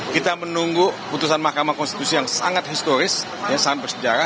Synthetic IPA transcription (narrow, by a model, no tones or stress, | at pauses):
kit̪amənuŋɡuput̪usanmahkamahkɔnst̪it̪usijaŋsaŋat̪̚hist̪oɾɪs | jasaŋat̪̚bərsəd͡ʒaɾa